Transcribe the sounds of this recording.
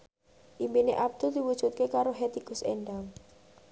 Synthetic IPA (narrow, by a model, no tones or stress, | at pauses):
ʔimbineʔab̚d̪̥ʊld̪̥iwud̥ʒ̥ut̪̚kekaɾoɦet̪iɡʊsenɖaŋ